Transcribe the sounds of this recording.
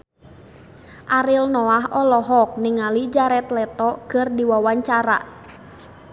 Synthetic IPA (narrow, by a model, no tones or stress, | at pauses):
ʔaɾɪlnɔaɦɔlɔɦɔk̚nɪŋalid͡ʒaɾɛt̪lɛt̪ɔkɨrdiwawaɲt͡ʃaɾa̰